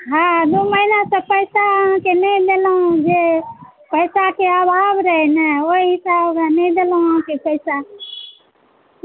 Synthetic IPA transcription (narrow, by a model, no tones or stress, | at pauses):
ɦãd̪oməinasəpəɪsãkenəĩd̪eləũd͡ʒe | pəɪsakeabʱaːbɾəɦenɛoisabkanəĩd̪eləũkepəɪsa